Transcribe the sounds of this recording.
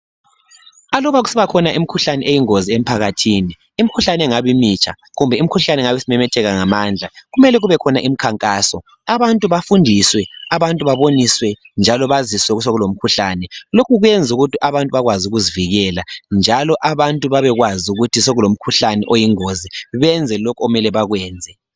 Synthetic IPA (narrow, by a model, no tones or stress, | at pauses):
alɔβaɣusiβakʰɔnaʔimikʰuɬanɛʔejiŋoziem̩pʰaɣatʰiːniːm̩kʰuɬanɛŋaβimit͡ʃʼʰa̰ | ɣumbʱɛim̩ikʰuɬanɛŋaβesimɛmɛtʰɛɣaŋamaːnd͡ɮʱaɣumɛlɛɣuβɛkʰɔnaʔimikʰaŋkʼaːsɔ | aβantʼuβafundʱiswɛaβantʼuβaβoniswɛ | nd͡ʒʱalɔβaziswɛɣus̬oɣulom̩kʰuɬanɛlokʰuɣujɛnd͡zʱuɣutʰiʔaβantʼuβaɣwazuɣuziviɣɛland͡ʒʱalɔʔaβantʼuβaβɛɣwazuɣutʰisoɣulom̩kʰuɬanɛ̰ʔojiŋoziβɛnd͡zʱɛlokʰoumɛlɛβaɣwɛːnd͡zʱɛ